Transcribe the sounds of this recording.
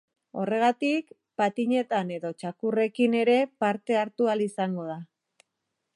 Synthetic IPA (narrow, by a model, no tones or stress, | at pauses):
o̞re̞ɣ̞at̪ik | pat̪iɲe̞t̪ane̞ðo̞t͡ʃakure̞kine̞ɾe̞paɾt̪e̞aɾt̪ualisaŋɡo̞ða